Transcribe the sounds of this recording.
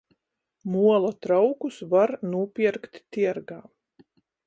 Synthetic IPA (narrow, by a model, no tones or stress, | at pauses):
muɔlˠat̪ɾawkusvaɾnuɔpʲiɛɾkt̪ːiɛɾɡaː